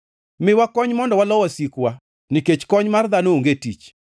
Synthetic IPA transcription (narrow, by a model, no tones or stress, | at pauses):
mɪwakɔɲmɔndɔwalɔwɔsikwa | nɪket͡ʃkɔɲmard̪anooŋɡetḭt͡ʃ